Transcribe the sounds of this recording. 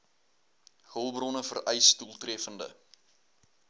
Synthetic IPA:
həlˠbrɔnəfə̰rʔəjstulˠtriəfəndə̰

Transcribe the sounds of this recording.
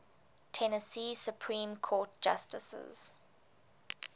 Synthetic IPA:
tʰɛnəsiːsjupʰɹĩːmkʰɔːt̚d͡ʒ̥astəsə̰z̥

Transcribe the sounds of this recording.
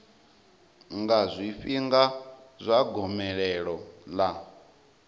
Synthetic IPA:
ŋɡazʷiɸiŋɡazʷaɡɔmɛɺɛɺɔla

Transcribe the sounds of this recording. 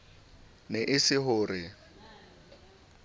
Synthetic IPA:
nɛʔɪsɪɦʊːɾɪ

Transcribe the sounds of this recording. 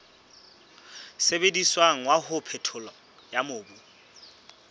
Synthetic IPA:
sebediswaŋ̩wahʊpʰɛtʰʊlɔ | jamoːbu

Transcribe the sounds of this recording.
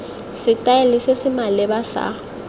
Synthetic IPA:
sɪtʼaelɪsɪsɪmalɛbasa̰

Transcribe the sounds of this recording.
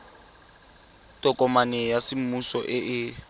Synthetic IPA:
tʼɔkʼɔmanɛjasɪm̩musɔʔɪʔɪ

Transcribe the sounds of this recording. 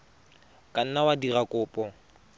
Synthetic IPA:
kʼan̩nawadirakʼʊːpʼɔ

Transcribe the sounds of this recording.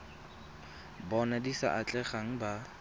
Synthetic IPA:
bɔnadisa̰ʔat͡ɬʼɛχaŋ̩ba

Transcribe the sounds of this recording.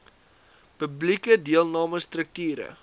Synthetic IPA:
pəblikədiəlˠnɑːməstrək̚tiːɾə̰

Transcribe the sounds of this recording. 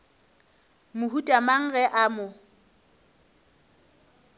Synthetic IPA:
mʊhutʼamaŋ̩ɣɛʔamʊ

